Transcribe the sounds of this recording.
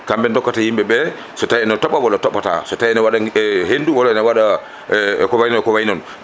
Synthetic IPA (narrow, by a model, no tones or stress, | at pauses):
kambɛndɔkːatahimɓɛbɛ | sɔtaiɛnɔtɔɓːawɔlɔtɔɓːata̰sɔtajɛnɔwaɗahenduwɔlɔɛnɔwaɗa | kɔwajnɔnɛkɔwajinɔn